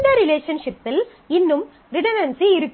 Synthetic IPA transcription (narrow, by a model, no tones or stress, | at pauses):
d̪ɐɾɪleːʂɐnʂɪpːɪl | ɪnːɯm | ɾɪʈɐnɐnsiɪɾɯkː